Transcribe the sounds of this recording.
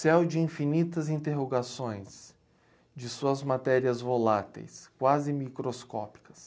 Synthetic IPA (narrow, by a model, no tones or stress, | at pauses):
sɛwd͡ʒɪĩfinit̪ɐzĩnt̪eɦoɡasõj̃s | d͡ʒɪsuɐzmat̪ɛɾiɐzvolat̪ḛjskwazɪmikɾoskɔ̰pi̥kɐ̥s